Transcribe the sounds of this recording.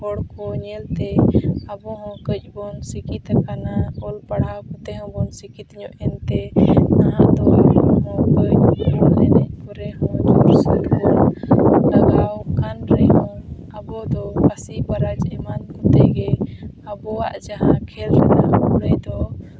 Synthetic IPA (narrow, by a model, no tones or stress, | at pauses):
ɔɽkɔɲɛlt̪ɛəbɔɦɔ̃kəc̚bɔnsikit̪kanaɔlpaɽakɔt̪ɛɦɔ̃bɔnsikit̪ɲɔ̃ʔɛnt̪ɛnaãd̪ɔɦɔ̃ | ɦɔɛdɛɲpuɾɛɦɔ̃d̪ʱɔɾsa̰lkɔl | aɡawkanɾɛɦɔ̃ | əbɔd̪ɔkasibaɾad͡ʒɛmankɔ̃t̪ɛɡɛ | əbɔa̰ʔd͡ʒaɦãkʰɛlɾad̪ã̰ɔɾɛd̪ɔ